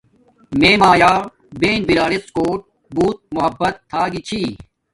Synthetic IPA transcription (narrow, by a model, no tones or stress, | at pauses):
meːmaːjaː | beːnbiɾaːɾiskoːʈ̚ | buːt̪̚mʊɦɐbːɐt̪ʰːaːɡit͡ɕʰiː